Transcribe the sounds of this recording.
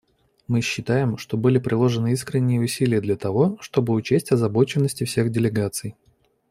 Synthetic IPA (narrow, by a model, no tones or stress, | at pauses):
mɨɕːɪt̪ajɪmʂt̪o̞bɨlʲɪpɾʲʔɪlˠo̞ʐɨnɨiskɾʲɪnʲːɪjəʊsʲilʲɪjəd̪lʲɐt̪ɐvo̞ʂt̪o̞bɨʊt͡ɕesʲtʲɐzɐbo̞t͡ɕɪnːəsʲtʲɪfsʲe̞ɣdʲɪlʲɪɡat̪sɨj